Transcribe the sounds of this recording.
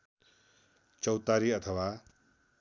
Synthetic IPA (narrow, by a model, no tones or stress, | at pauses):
t͡sʌwt̪aɾiʌt̪ʰʌwa